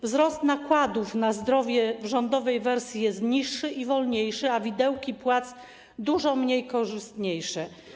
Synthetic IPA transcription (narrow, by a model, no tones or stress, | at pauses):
vzɾɔst̪nakwad̪ufnazd̪ɾɔvʲjɛvʐɔnd̪ɔvɛjvɛɾsʲjijɛst̪ɲiʂːɘʔivɔlɲejʂɘavʲid̪ɛwkʲipwat̪s | d̪uʐɔmɲejkɔʐɘst̪ɲejʂɛ